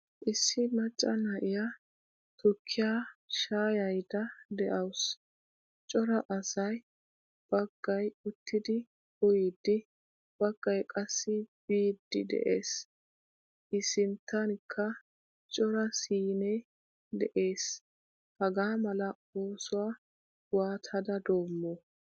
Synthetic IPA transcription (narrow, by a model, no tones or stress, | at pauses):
ʔɪsːɪmɐt͡ʃʼːɐnɐʔɪja | t̪ʊkʰːɪjaːʃaːjɐjd̪ɐd̪ɛʔɐws | t͡ʃʼɔɾɐʔɐsɐj | b̥ɐɡ̥ːɐjʊt̪ʰːɪd̪ɪ | ʊjid̪ːɪ | b̥ɐɡ̥ːɐjkʼɐsːɪb̥iːd̪ːɪ̰d̪ɛ̰ʔeːs | ʔɪsɪnt̪ːɐnkʰːɐ | t͡ʃʼɔɾɐsiːne | d̪ɛʔe̞ːs | hɐɡaːmɐlɐ | oːsʊwaː | waːt̪ʰɐd̪ɐd̪o̞ːmːɔ